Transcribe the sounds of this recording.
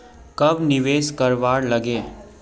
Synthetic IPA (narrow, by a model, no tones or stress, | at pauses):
kɐbnɪʋeːskɐɾʋaːɾlɐɡeː